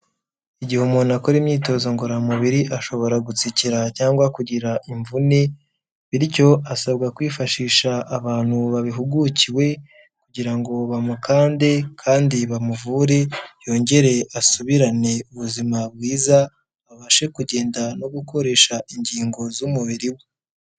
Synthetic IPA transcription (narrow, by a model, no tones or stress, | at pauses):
iɟihumunakoɾimɲiːto̞ːzoŋɡoɾamuβiɾiʔaʃo̞βo̞ɾaɡut͡siciɾacaːŋɡwakuɟiɾaʔiɱvune | βiɾico̞asab̚ɡakwiːfaʃiːʃaːβaːn̥huβaβiɦuɡuciwe̞ | kuɟiɾaŋɡo̞βamukaːnde̞kʰaːndiβamuvuːɾe̞jo̞ɲɟe̞ɾe̞ʔasuβiɾane̞uβuzimaβɡiːza | βaβaʃe̞kuɟe̞ːndano̞ɡuko̞ɾe̞ʃaiɲɟiːŋɡo̞zumuβiɾiwe